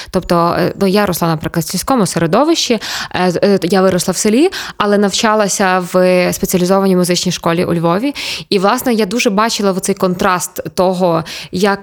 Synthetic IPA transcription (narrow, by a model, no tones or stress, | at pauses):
t̪ɔpt̪ɔnujaɾɔslˠɑnɐpɾɪklˠɐt̪sʲilʲsʲkɔmʊseɾed̪ɔʋɪʃt͡ʃi | jaʋɪɾɔslˠɐwselʲiɐlˠɛnɐwt͡ʃɑlˠɐsʲɐʋspet͡sʲiɐlʲizɔʋɐnʲijmʊzɪt͡ʃnʲijʃkɔlʲiʔʊ̰lʲʋɔʋʲiiʋlˠɑsnɛjad̪uʒɛbɑt͡ʃɪlˠɐɔt̪sɛjkɔnt̪ɾɑst̪ːɔɦɔjɐk